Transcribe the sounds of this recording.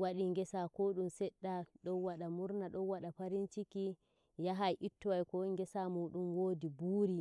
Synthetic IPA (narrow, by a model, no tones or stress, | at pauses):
waɗiŋɡɛsakoɗumsɛɗːaɗɔwaɗamuɾnaɗɔwaɗapaɾint͡ʃiki | jaɦajʔitːɔwajkɔŋɡɛsamuɗumwoːdibuːɾi